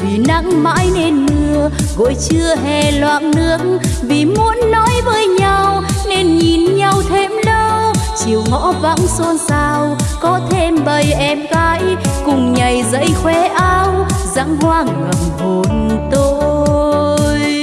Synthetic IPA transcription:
vi˨˩na̰˧˥ŋma̰ː˧˥jne˧nːɨ˧əɣo̰˧˨jt͡ɕɨ˧əɦɛ˧˩lwa̰ː˧˨nnɨ˦˧˥ək̚vi˨˩mu˨˦ənːɔ˨˦jvəː˨˦jɲa˧wne˧nɲi˨˩nɲa˧wt̪ʰe˧mlə˧wt͡ɕi˨˩əwŋɔ̰˧˥va̰˧˥ŋso˧nsaː˧wkɔ˨˦t̪ʰe˧mɓə˨˩jʔɛ˧mɣaː˧˦jkʊ˨˩ŋ͡mɲə˨˩jzə̰˧˥jxwɛ˧˦ʔaː˧wza̰˧˥ŋhwaː˧ŋɨ˨˩əŋvo˨˩nt̪o˧ | jj

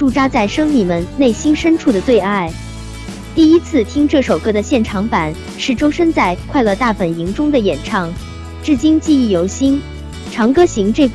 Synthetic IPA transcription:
ʈ͡ʂu˥˩ʈ͡ʂa˥t͡sa˥˩ɪʂɤ˥ŋmi˨˩mə˧˦nne˥˩ɪɕi˥nʂə˥nʈ͡ʂʰu˥˩d̪ə˩t̪we˥˧ɪa˥˩ɪ | t̪i˥˩i˥t͡sʰɹ̩˥˧t̪ʰi˥ŋʈ͡ʂɤ˥˩ʂo˨˩ʊkɤ˥d̪ə˨ɕjɛ˥˩nʈ͡ʂʰɑ˧˥ŋpa˨˩˦n | ʂɻ̩˥˩ʈ͡ʂo˥ʊʂə˥nt͡sa˥˧ɪkʰwa˥˧ɪlɤ˥˧t̪a˥˩fə˨˩ni˧˥ŋʈ͡ʂʊ˥ŋd̪ə˨jɛ˨˩nʈ͡ʂʰɑ˥˧ŋ | ʈ͡ʂɻ̩˥˩t͡ɕi˥nt͡ɕi˥˧i˥˩jo˧˥ʊɕi˥n | ʈ͡ʂʰɑ˧˥ŋkɤ˥ɕi˧˥ŋʈ͡ʂɤ˥˩

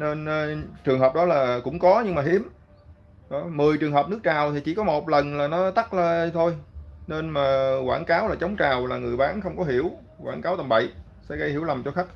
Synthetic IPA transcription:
ne˧n˧t͡ɕɨ˨˩əŋɦəː˨˩p̚ɗɔ˨˦laː˨˩kʊ̰˧˥ŋ͡mkɔ˨˦ɲɨ˧ŋmaː˨˩ɦi˨˦əm | ɗɔ˨˦mɨ˨˩əjt͡ɕɨ˨˩əŋɦəː˨˩p̚nɨ˦˥ək̚t͡ɕaː˨˩wt̪ʰi˨˩t͡ɕi˧˩kɔ˨˦mo˨˩t̚lə˨˩nlaː˨˩nɔ˨˦t̪a˦˥k̚ləː˧˩˧t̪ʰo˧jne˧nmaː˨˩kwaː˧˩nkaː˨˦wlaː˨˩t͡ɕə˨˦wŋ͡mt͡ɕaː˨˩wlaː˨˩ŋɨ˨˩əjɓaː˨˦nxə˧wŋ͡mkɔ˨˦ɦi˧˩əw | kwaː˧˩nkaː˨˦wt̪ə˨˩mɓə̰˧˨j | sɛ̰˧˥ɣə˧jhi˧˩wla˨˩mt͡ɕɔ˧xa˦˥k̚

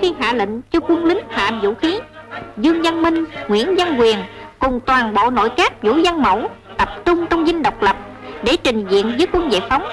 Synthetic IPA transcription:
xi˧ɦa̰ː˧˨lḭ̈˧˨ŋ̟t͡ɕɔ˧kwə˧ənlï˨˦ŋ̟ha̰ː˧˨mzṵ˧˥xi˨˦zɨ˧əŋzə˧nmï˧ŋ̟ŋwḭ˧˥ənzə˧nkwi˨˩ənkʊ˨˩ŋ͡mt̪waː˨˩nɓo̰˧˨no̰˧˨jkaː˦˥k̚zṵ˧˥zə˧nmə̰˧˩w | t̪ə˨˩p̚t͡ɕʊ˧ŋ͡mt͡ɕɔ˧wŋ͡mzï˧ŋ̟ɗə˨˩wk͡p̚lə˨˩p̚ | ɗe˧˩t͡ɕï˨˩ŋ̟zḭ˧˨ənzəː˨˦jkwə˧nzḛ˧˨jfa˨˦wŋ͡m

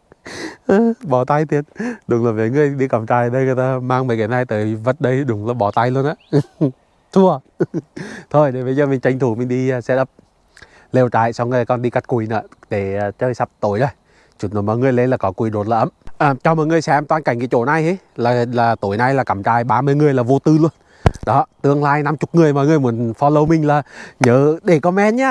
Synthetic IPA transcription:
ʔəː˨˧˩ɓɔ˨˩t̪a˧jt̪i˨˩ənɗʊ˨˩ŋ͡mlaː˨˩və̰˨˦ŋɨ˨˧əjɗi˧kə˨˩mt͡ɕaː˧˩jɗə˧jŋɨ˨˩ət̪aː˧maː˧ŋvəː˨˩jkɛ˨˩na˧jt̪əː˨˦jvə˨˦˥t̚ɗə˧jɗʊ˨˩˦ŋ͡mlaː˨˩ɓɔ˨˩t̪a˧jlu˧ənʔa̰ː˧˨˦ | t̪ʰu˧ə | t̪ʰo˧˩jɗe˨˩və˨˦zəː˧mï˨ŋ̟t͡ɕa˧jŋ̟t̪ʰu˨˩mï˨ŋ̟ɗi˧sɛ˧˥ɗə˦˥p̚ | le˧wt͡ɕa̰ː˧˨jsa˧wŋ͡mə˧kɔ˧nɗi˧ka˨˦˥t̚ku˨˩nɨ̰˨˦ɗe˧˩˨t͡ɕəː˧jsa˦˥p̚t̪o˨˩˦jɗə˧˩j | t͡ɕu˨˩n˨˩mɔ̰ː˧˨jŋɨ˨˩əjle˧nlaː˨˩kɔ˨˦kwi˧˨˩ɗo˨˩t̚laː˧ʔə˧˦mʔəː˨˩t͡ɕɔ˧mɔ̰ː˧˨jŋɨ˨˩əjsɛ˧mt̪waː˧nka˨˧˩jŋ̟ki˨˦t͡ɕo˧˩na˧je˨˦j | laː˨˩laː˨˩t̪o˨˦jna˧jlaː˨˩kə˨˩mt͡ɕaː˧˩jɓaː˧mɨ˧əjŋɨ˨˩əjlaː˨˩vo˧t̪ɨ˧lu˧ən | ɗɔ˨˦t̪ɨ˧əŋlaː˧jna˧mt͡ɕʊ˨˩k͡p̚ŋɨ˨˩əjmɔ̰˧˨˦jŋɨ˧˩əjmu˨˦ənfɔ˧lə˧wmï˨˩ŋ̟laː˨˩ɲəː˨˦ɗe˧˩kɔ˨˦mɛ˧˥nɲaː˧

